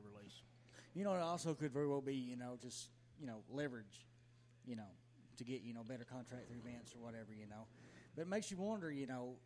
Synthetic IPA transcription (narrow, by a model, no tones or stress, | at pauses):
ɹilis | jɨnoʊɾɔlˠsoʊkɨdvɛɹiwɛlˠbijɨnoʊd͡ʒʌst | jɨnoʊlɛvə˞ɨd̥ʒ̥ | jɨnoʊ | ɾɨɡɛʔʔɨñoʊbɛɾə˞kʰɑ̃ntʰɹ̥æk̚θɹʉvæ̃nsə˞wʌɾɛvə˞jɨnoʊb̥ʌt̚meɪksjɨwʌ̃ndə˞jɨnoʊ